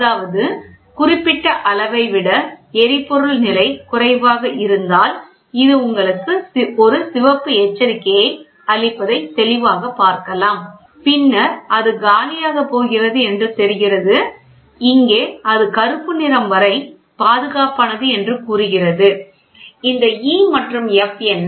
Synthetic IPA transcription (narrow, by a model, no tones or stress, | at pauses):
ɐðaːʋɐðɯ | kʊrɪpːɪʈːɐʔɐɭɐʋɐɪʋɪɽɐɛɾɪpːɔɾɯlnɪlɐɪkʊrɐɪʋaːɣɐʔɪɾɯnd̪aːl | ɪðɯʊŋɡɐɭɯkːɯɔɾɯsɪʋɐpːɯeːt͡ʃːɐɾɪkːɐjɐɪ | ɐɭɪpːɐðɐɪt̪ɛlɪʋaːɣɐpːaːɾkɐlaːm | pɪnːɐɾɐðɯɡaːlɪjaːɣɐpoːɣɪrɐðɯɛndrɯt̪ɛɾɪɣɪrɐðɯ | ɪŋɡeːɐðɯkɐɾɯpːɯnɪɾɐmʋɐɾɐɪ | paːðɯɣaːpaːnɐðɯɛndrɯkuːɾɯɣɪrɐðɯ | ɪnd̪ɐiːmɐʈrɯmɛfɛn